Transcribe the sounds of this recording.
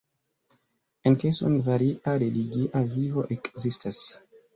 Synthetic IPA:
enkeso̰nvaɾiʔaɾeliɡiʔavivo̞ʔekzistʰas

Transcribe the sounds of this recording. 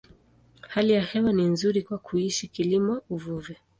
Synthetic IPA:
halijahɛwaninzuɾikwakʰuiʃikilimɔuvuvɛ

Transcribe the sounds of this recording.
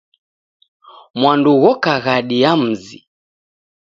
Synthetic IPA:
mwanduɣɔkaɣaɗiam̩zi

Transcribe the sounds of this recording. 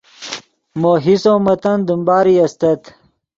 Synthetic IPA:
moːɦisoːmɐt̪ɐnd̪əmbaːɾiɐst̪ɐt̪

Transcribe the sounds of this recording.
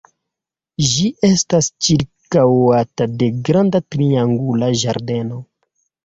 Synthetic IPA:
ʒiʔe̞stast͡ʃiɾkawatade̞ɡɾandatɾiaŋɡulaʒaɾde̞no̞

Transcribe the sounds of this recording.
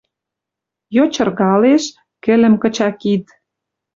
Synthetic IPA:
jot͡ɕɤ̆rɣɑleʃ | kɘ̆lə̆mkɤ̆t͡ɕɑkit̪

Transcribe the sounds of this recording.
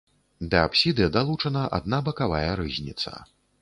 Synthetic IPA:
d̪ɐapsʲid̪ɨjɐd̪alˠut͡ʂɐnɐʔa̰d̪nabɐkavajɐɾɨzʲnʲit̪sɐ̰

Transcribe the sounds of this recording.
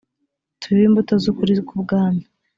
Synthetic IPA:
tʰuβimbutozukuɾikubɡaːna

